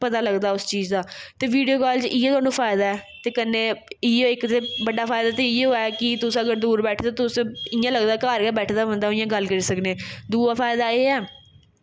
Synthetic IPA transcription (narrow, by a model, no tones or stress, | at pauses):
pət̪aːləɡd̪aːʊst͡ʃiːzd̪aːt̪eːʋiːɖijoːkaːlt͡ʃiːeːt̪ʊaːnũːpʰaːɪd̪aːɛːt̪eːkənːeːɪeɪkt̪eːbəɖaːpʰaːɪd̪aːt̪eɪeɦoaɛkɪt̪ʊsəɡəɾd̪uːɾbɛːʈʰd̪aːt̪ʊsẽɪjãːləɡd̪aːkaːɾkɛːbɛːʈʰd̪aːbə̃nd̪aoɪjãːɡəlkəɾiːsəkneːd̪uːaːfʰaːɪd̪aːeːɛː